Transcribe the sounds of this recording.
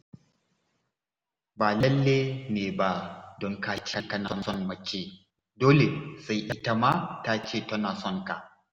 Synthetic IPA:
baː˨lɐ˦lːeː˦neː˨ba˦dɔ˨ŋka˦t͡ʃe˦tɐ˦na˦nsɔ˦nmɐ˨t͡ʃeː˦ | doː˦le˨sa˦jɗɐ˦ta˦ma˦ta˦t͡ʃeː˦˨tɐ˦na˨sɔ˦˨nta˨ʔ

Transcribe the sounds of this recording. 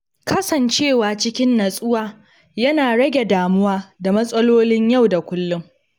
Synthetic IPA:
kɐ˦sɐ˨nt͡ʃeː˦˨waː˨t͡ʃɪ˦kʲɪ˦nːɐ˨sʼʊ˦waː˦ | jɐ˦naː˨ɽɐ˦ɡʲe˨daː˨mʊ˦waː˦da˨mɐ˦sʼɐ˦loː˦lɪ˦ɲjɐ˦˨wda˨kʷʊ˦lːʊ˦m

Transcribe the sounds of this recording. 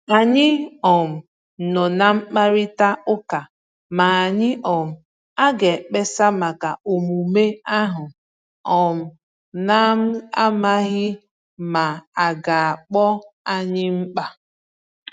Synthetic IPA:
a˨ɲɪ˦ɔ˨m̩˨ | nɔ˨na˨ŋ͡m̩˦k͡pa˦ɾɪ˦ta˦ʊ˦ka˨ | ma˨a˨ɲɪ˦ʔɔ˨m̩˨ | a˦ɡe˨k͡pe˦sa˦ma˨ka˨o˨mu˨me˦a˦ɦʊ˨ | ɔ˨m̩˨ | na˦m̩˦a˦ma˦ɣɪ˦ | ma˨a˨ɡa˨a˨k͡pɔ˦a˦ɲɪ˦ŋ͡m̩˦k͡pa˦

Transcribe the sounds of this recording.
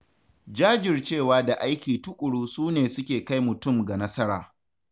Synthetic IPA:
d͡ʒaː˦d͡ʒɪ˨rt͡ʃeː˦˨waː˦da˨ʔa˦jkʲiː˨tʊ˦kʷʼʊ˨ɽuː˦suː˦neː˨sʊ˦kʲeː˨ka˦jmʊ˨tʊ˦˨mɡa˨nɐ˦sɐ˦ɾaː˨

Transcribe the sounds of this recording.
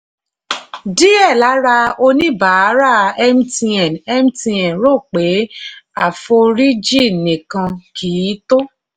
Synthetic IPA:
di˦ɛ˦˨la˨˦ɾa˧o˧nĩ˦ba˨˦ɾa˦˨ɛ˧m̩˦ti˧ɛ˨nɛ˧m̩˦ti˧ɛ̃˨ɾo˦˨k͡pe˨˦a˦˨fo˧ɾi˦d͡ʒi˦˨nĩ˨kã˧kʰiː˨˦to˦

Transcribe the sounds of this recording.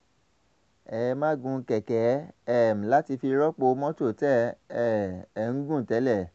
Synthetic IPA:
ɛ˨˧mã˦ɡũ˧kɛ˨kɛ˨˦ɛ˦˨m̩˨la˦ti˧fi˧ɾɔ˦k͡po˧˦mɔ̃˦to˦˨tɛ˦ɛ˦˨ŋ̩˦ɡũ˦˨tɛ˨˦lɛ˦˨

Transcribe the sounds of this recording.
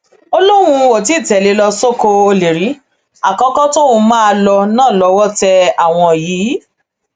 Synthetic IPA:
o˧lo˦ɾ̃ũ˧wo˨t̬i˨˦˨tɛ˨le˨˦lɔ˧so˦ko˧o˧le˨ɾi˨˦ | a˨kɔ̃˧˦kɔ˦to˦wõ˧mã˦˧lɔ˧nãː˦˨lɔ˧wɔ˦tɛ˧a˨w̃ɔ̃˧˨jiː˨˦

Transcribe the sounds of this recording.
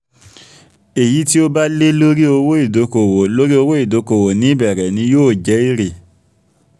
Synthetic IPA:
e˨ji˨˦ti˦o˦ba˦le˦lo˦ɾi˦o˧wo˦i˦˨do˨˦ko˨wo˨lo˦ɾi˦o˧wo˦i˦˨do˨˦ko˨wo˨nĩ˨˦bɛ˨ɾɛ˨nĩ˧˦joː˦˨d͡ʒɛ˨˦i˦˨ɾe˨

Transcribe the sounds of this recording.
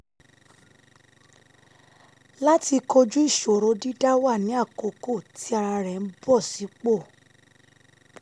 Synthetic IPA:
la˦ti˧ko˧d͡ʒu˦i˦˨ʃo˨ɾo˨˦di˦da˦wa˦˨nĩ˨˦a˦˨ko˧˨ko˦˨tʰi˨˦a˧ɾa˧ɾɛ˨n̩˦bɔ˦˨si˨˦k͡po˦˨

